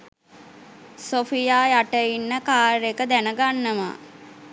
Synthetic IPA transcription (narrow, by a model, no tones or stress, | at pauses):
sofijaːjaʈəinːəkaːɾekəd̪ænəɡanːəma̰